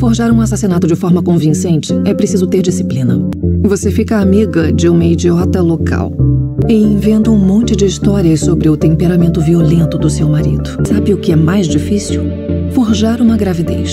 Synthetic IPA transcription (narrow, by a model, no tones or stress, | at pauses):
foɾʒaɾũasasinat̪ʊd͡ʒɪfɔɾmɐkõvĩsẽnt͡ʃɪ̥ɛpɾesizʊt̪eɾd͡ʒisiplĩnɐ̰vosefikɐːmiɡɐd͡ʒɪũmɐid͡ʒiɔt̪ɐlokʰa̰wɪẽvẽnt̪ɐũmõnt͡ʃɪd͡ʒɪist̪ɔɾiɐssobɾɪʊt̪ẽmpeɾamẽnt̪ʊviolẽnt̪ʊd̪ʊsewmaɾid̪ʊsabɪʊkɪɛmajzd͡ʒifisiw | foɾʒaɾũmɐɡɾavid̪ḛjs